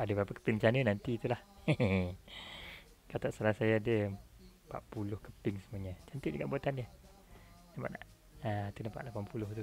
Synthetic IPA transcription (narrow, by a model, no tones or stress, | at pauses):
adəbɾapəkə̥pɪŋt͡ʃanənant̪it̪ulah | kat̪aʔsalahsajaadə | pa̰ʔpulʊhkəpɪŋsəmuaɲət͡ʃant̪iʔd͡ʒəkaʔbuat̪andiə | napa̰ʔnaʔ | aat̪ənəpa̰ʔlapanpulʊht̪u